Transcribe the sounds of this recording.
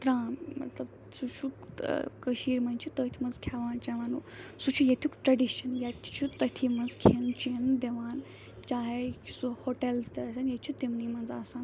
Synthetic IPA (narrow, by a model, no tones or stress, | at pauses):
t̪ɾaːmmɐ̰t̪lɐb | sut͡ʃʰukkəʃiːɾmɐnt͡ʃʰit̪ɐt̪ʰimɐnzkʰaʋaːnt͡ʃaʋaːnusut͡ʃʰujɐt̪ʲʰukʈɾɐɖiʃɐnjɐt̪ʰt͡ʃʰut̪ɐt̪ʰimɐnzkʰent͡ʃend̪eʋaːn | t͡ʃaːɦesuhoːʈelzd̪eɐsɐnjɐt̪t͡ʃʰut̪imnimɐnzaːsaːn